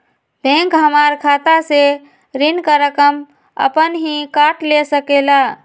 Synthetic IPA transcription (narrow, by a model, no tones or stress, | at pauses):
bʱẽŋkɦəmaɾkʰat̪ase | ɾinkaɾəkəm | ə̰pənɦĩkaʈlesəkela